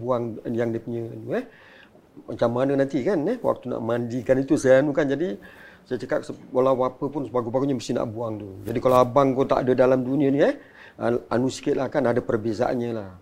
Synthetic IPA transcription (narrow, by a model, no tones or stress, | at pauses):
buaŋjaŋdiəpuɲənuɛh | mat͡ʃamːanənant̪ikanɛhwa̰k̚t̪una̰ʔmandikanit̪usajaanukand͡ʒadi | sajət͡ʃəkat̪̚səwalawapəpʊnsəbaɡubaɡuɲəməst̪ɪhna̰ʔbuaŋt̪ud͡ʒadikalaabaŋkot̪a̰ʔa̰dədalamduniəniɛ | əa̰nusi̥kɪt̪̚lakanadəpərbesa̰ʔa̰nɲəlah